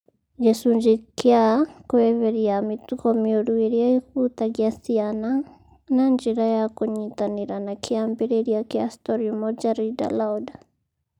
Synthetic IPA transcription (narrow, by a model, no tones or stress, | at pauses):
d͡ʒɛsund͡ʒikjakwɛβɛɾiamitukɔmioɾueɾjaikut̪aɡjasiana | nand͡ʒiɾajakoɲitaniɾanakiambɛɾɛɾjakiastɔɾiumɔd͡ʒaɾida̰lauda